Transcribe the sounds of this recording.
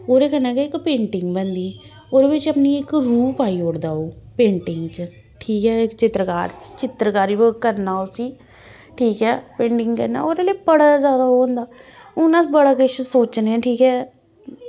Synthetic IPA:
oːɾeːkənãːkɛːɪkpẽːɳʈɪŋɡbənd̪iː | oːd̪eːbɪt͡ʃəpniːɪkɾuːpaːiːoɽd̪aːoːpẽːɳʈɪŋɡt͡ʃə | ʈʰiːkɦɛːɪkt͡ʃɪt̪ɾəka̰ːɾt͡ʃt͡ʃɪt̪ɾəkaːɾiːbəkəɾnaːsiː | ʈʰiːkɛːpẽːɳʈɪŋɡkəɾna̰ːoːɾeːleːpəɽaːzjaːd̪aːɦoːnd̪aː | ʊnãːbəɽaːkɪʃsoːt͡ʃneɛ̃ːʈʰiːkɛː

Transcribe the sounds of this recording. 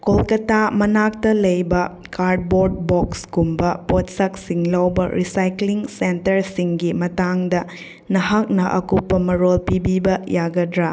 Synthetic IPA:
kolkɐtʰamɐnak̚tɐlɐjbɐ | kaɾd̚boɾd̚bɔksɡumbɐpot̚sɐk̚siŋlawbɐ̰ɾisajkliŋsentɐɾsiŋɡimɐtaŋdɐ | nɐɦɐk̚nɐʔɐ̰kupːɐmɐɾolpibibɐjaɡɐdɾa

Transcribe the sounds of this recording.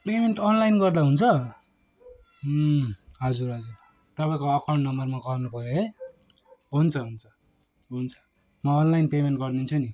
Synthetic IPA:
pemeɳʈʌnlajnɡʌrd̪aɦunt͡sʰʌ | ɦʌd͡zuɾɦʌd͡zur | t̪ʌpaĩkoːkʌɳnːʌmʌrmaɡʌnupʌjoɦej | ɦunt͡sʰʌɦunt͡sʰʌ̥ | ɦunt͡sʰʌ̥ | mʌːnlajnpemenɳʈɡʌrnunt͡sʰuni

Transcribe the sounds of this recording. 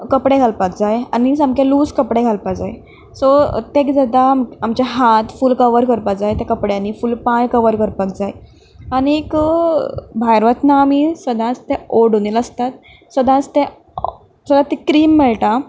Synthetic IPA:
kəpɽeɡʱalpak̚d͡zajanisamkeluːskəpɽeɡʱalpad͡zaj | sɔ̰t̪ekd͡zəd̪amamt͡ɕaɦat̪fuːlkəʋəɾkəɾpad͡zajt̪akəpɽjanifuːlpãjkəʋəɾkəɾpakd͡zaj | aniek | bʱajɾʋət̪naːmisəd̪ʱãt͡st̪eoɖoniləst̪at̪̚ | səd̪ʱãt͡st̪ẽ | səd̪at̪ekɾiːmːɛɭʈ̪a

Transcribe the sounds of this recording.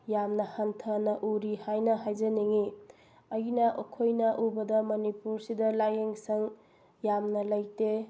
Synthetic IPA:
jamnɐhantʰɐnɐʔuɾihajnɐɦajzɐniŋi | ɐjnɐʔokʰojnɐʔubɐdɐmɐnipuɾsidɐlajeŋsɐŋ | jamnɐlɐjte

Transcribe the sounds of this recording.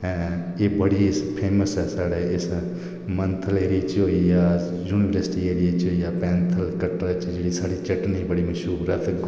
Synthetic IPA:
ɛ̃ | eːbəɽiɪspʰeːməsɛːsaːɽeːɪs | mənt̪ʰəleːɾit͡ʃoijaː | juːniʋəɾəɾsʈieːɾijat͡ʃoijaːpɛ̃ːnt̪ʰəlkɐʈɾət͡ʃd͡ʒeːɽisaːɽit͡ʃɐʈnibəɽiːmɐʃuːbɾat̪ʰɡ

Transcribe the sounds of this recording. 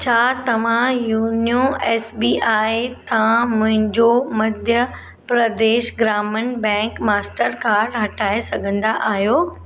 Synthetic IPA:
t͡ɕʰaːt̪ɐʋ̤ãjuːnijõɛːsbiːʔaːet̪ʰãmʊ̃ɦɪ̃ɲd͡ʑomɐd̪ʱjə | pɾɐd̪eːʃɡɾaːmənbɛ̃ːŋkmaːsʈəɾkaːɾɖɦɐʈʰaːesɐɡʱə̃nd̪aʔaːɦjoː

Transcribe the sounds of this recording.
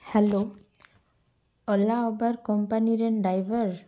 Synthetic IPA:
hɛlo | ɔlaɔbaɹkɔmpaniɾɛnɖajbʱɔɹ

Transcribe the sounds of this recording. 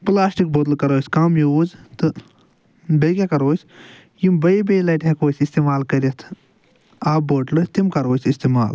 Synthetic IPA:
plaːsʈik̚bot̪lkɐɾoːsʲkamjuːzt̪ɨ | bekʲekɐɾoːsʲ | jimbɐibejlɐːʈekoːsʲist̪eːmaːlkɐɾit̪ʰ | aːboːʈlot̪imkɐɾoːsʲist̪eːmaːl

